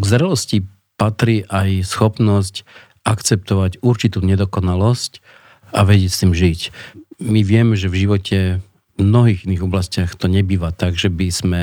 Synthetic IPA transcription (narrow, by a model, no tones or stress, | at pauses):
ɡzɾɛlɔsci | pat̪ɾiːʔajsxɔpnɔsc | akt͡sɛp̚t̪ɔʋacuɾt͡ʃit̪uːɲɛd̪ɔkɔnalɔsc | aʋɛɟɛcst̪iːmʒicmiʋɪɛmɛʒɛvʒiʋɔcʰɛ | mnɔɦiːɣiniːɣɔblascɪaxt̪ɔɲɛbiːʋaːt̪aɡʒɛbiz̥mɛ